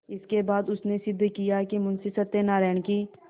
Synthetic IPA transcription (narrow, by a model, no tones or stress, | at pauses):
ɪskebaːd̪ʊsnesɪd̪ːkijaɦɛkimʊnsɪsət̪enaːɾɛːnkiː